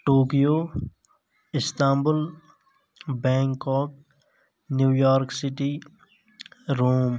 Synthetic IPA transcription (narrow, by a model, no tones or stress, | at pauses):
ʈoːkijoː | ɪst̪ãːmbʊl | bɛ̃ːŋkɔːk̚ | njuːjɔːɾksɪʈi | ɾoːm